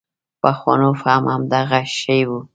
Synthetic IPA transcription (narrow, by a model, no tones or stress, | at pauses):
paxwa̰nofamhamd̪aɣaʃəjwu